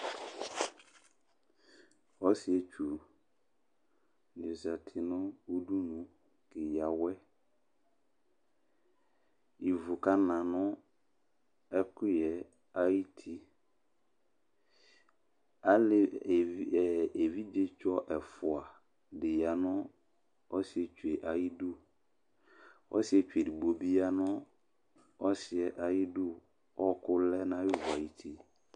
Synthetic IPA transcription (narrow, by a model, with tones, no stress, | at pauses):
ɔ˦si˦ɛ˨t͡ʃʰᶣu˨ | nɪ˨o˨sa˨tʰɪ˨nʊ̃˦o˦du˦nũ˨ | kɪ˨ja˨wɛ˦ | i˨vʊ˨ka˦nã˨nʊ̃˦ | ɛ˦kʊ˦jɛ˨ | a˦i˦tʰi˦ | a˦lɪ˦˨˦ | ɛ˨e˨vi˦d͡ʒe˦t͡ʃɔ˦ʔɛ˨fʊ˨a˨ | dɪ˨ja˨nʊ̃˦ | ɔ˦sɪ˨ɛ˨t͡ʃu˨e˨ʔa˨ji˦du˦ | ɔ̰˦sɪ˦ɛ˨t͡ʃᶣu˨e˨di˨bo˨bi˦a˦nʊ̃˦ | ɔ˦sɪ˨ɛ˨ʔa˨ji˦dʊ˦ | ɔ˦kʊ˦lɛ˦nã˦ɪ˦vʊ˨a˨ji˨tʰi˦